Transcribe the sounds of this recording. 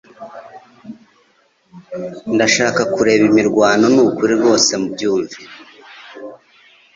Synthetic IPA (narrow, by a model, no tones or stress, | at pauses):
ndaʃaːkakuɾe̞βimiɾɡwaːno̞nuukuɾiɾɡo̞ːse̞mubɟuːɱvi